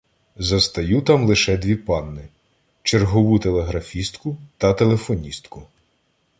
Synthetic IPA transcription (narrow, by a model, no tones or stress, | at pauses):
zɐst̪ɐjut̪ɑmlˠɪʃɛd̪ʲʋʲipɑnːɪ | t͡ʃerɦɔʋut̪e̞lˠeɦɾɐfʲist̪kʊt̪ɐt̪e̞lˠe̞fɔnʲist̪kʊ